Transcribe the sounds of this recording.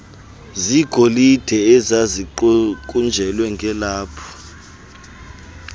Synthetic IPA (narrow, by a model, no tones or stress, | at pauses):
ziɡ̥ʱolid̥ʱɛɛzaziǃkʼund͡ʒʱɛlwɛŋɡʱɛlaːpʰɔ̥